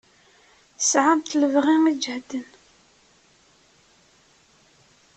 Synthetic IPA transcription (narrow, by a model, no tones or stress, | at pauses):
sʕamt̪ləvʁiŋid͡ʒhd̪ən